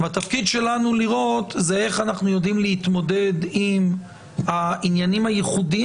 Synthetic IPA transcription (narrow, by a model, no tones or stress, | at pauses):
vat̪afkid̪ʃe̞lanuliʁo̞t̪zee̞χanaχnujo̞dimleit̪mo̞de̞d̪im | ainjanimajeχudi